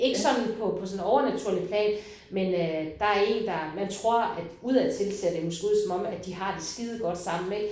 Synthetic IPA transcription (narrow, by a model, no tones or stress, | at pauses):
e̝ɡ̥əsɒ̽dnpʰɒ̽pʰɒ̽sɔ̽nɒʊɐnæt͡sʰuɐ̰lipʰlɛ̰ːn | mend̥ɑ̈æɐe̝̰ːnd̥ɑ̈mænt͡sʰʁo̝ɐ̰æ̥uð̞̰ˠæt͡sʰe̝lsʰedemɔsɡ̥euðˠsɒ̽mɒ̽m̰æ̥d̥iɦɑ̈d̥e̝sɡ̥iðˠɡ̥ɒ̽d̥sɑ̈m̰n̩e̥